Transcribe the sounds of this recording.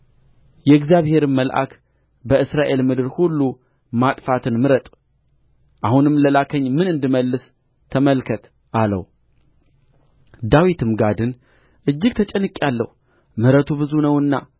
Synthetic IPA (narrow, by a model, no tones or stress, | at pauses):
jɛɨɡzjaβhe̞ɾɨməlʔa̰k | bəɨsɾaʔe̞lmɨd̪ɨɾhulːu | mat̪ʼfat̪ʰɨnmɨɾət̪ʼ | ʔahunɨmːləlakʰəɲːmɨnɨnd̪ɨməlːɨs | t̪ʰəməlkʰət̪ | ʔalə̰w | d̪awit̪ʰɨmɡad̪ɨn | ʔɨd͡ʒːɪɡ̚t̪ʰət͡ʃʼɛnːɨkʼjalːə̰hu | mɨɾət̪ʰubɨzunəwɨnːa̰